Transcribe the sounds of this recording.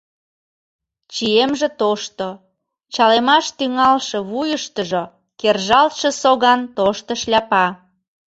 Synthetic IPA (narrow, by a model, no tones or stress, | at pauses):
t͡ɕiemʒĕt̪oʃt̪o | t͡ɕɑlemɑʃt̪yŋɑlʃeβujəʃt̪əʒo | kerʒɑlt̪ʃĕsoɣɑnt̪oʃt̪əʃlʲæɑpɑ